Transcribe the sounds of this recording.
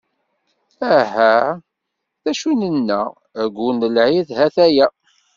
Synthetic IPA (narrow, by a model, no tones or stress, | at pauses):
æɦæ | θæʃunənːə̰ | ɡʷunəlʕiðhæθæjæ